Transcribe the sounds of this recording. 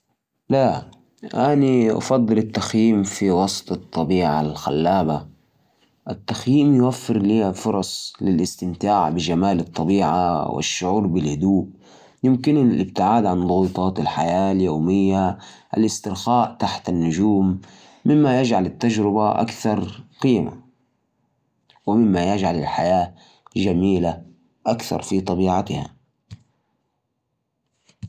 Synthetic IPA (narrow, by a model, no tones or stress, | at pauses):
la | ʔaniʔɑ̰fɑd̪ˤːɨlɪt̪ːaxjiːmfiwɑsˤt̪ˤɨt̪ˤːɑbiːʕalxa̰lːaːba | ʔat̪ːaxjiːmjʊwafːɪɾliːafʊɾˤɑsˤlɪlʔɪst̪ɪmt̪aːʕbɪʒamaːlɑt̪ˤːɑbiːʕa̰wɪ̰ʃːʊʕuːɾˤbɪlhʊd̪uːʔ | jɪmkɪnlɪb̚t̪ɪʕaːd̪ʕanðˤʊɣuːt̪ˤɑːt̪ɪlħajaːljoːmɪjːaʔa̰lʔɪst̪ɪɾxaːʔt̪aħt̪anːʊd͡ʒuːmː | ɪmːajad͡ʒʕalɪt̪ːad͡ʒɾɪbaʔa̰kθɑɾˤqiːma̰ | wɪmɪmːajad͡ʒʕalɪlħajaː | ʒamiːla | ʔakθɑ̰ɾˤfit̪ˤɑbiːʕat̪ha̰